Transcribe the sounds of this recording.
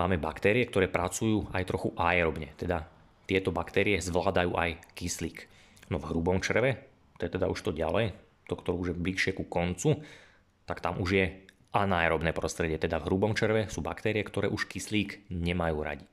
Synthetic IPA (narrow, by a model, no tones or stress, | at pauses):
maːmɛbakt̪ɛːɾiɛk̚t̪ɔɾɛːpɾat͡sujuːajt̪ɾɔxuʔajɾɔbɲɛt̪ɛd̪a | t̪ɪɛt̪ɔbakt̪ɛːɾiɛzʋlaːd̪ajuːʔajkisliːk | nɔvɦɾubɔmt͡ʃr̩ʋɛ | t̪ɛt̪ɛd̪a̰uʃt̪ɔɟa̰lɛj | t̪ɔkt̪ɔɾuːuʒjɛbliʃɪɛkukɔnt͡su | t̪akt̪amuʒjɛ | ʔanaːjɛɾɔbnɛːpɾɔst̪ɾɛɟɪɛt̪ɛd̪avɦɾubɔmt͡ʃr̩ʋɛsuːba̰kt̪ɛːɾɪɛkt̪ɔɾɛːʔuʃkisliːkɲɛmajuːɾa̰ɟi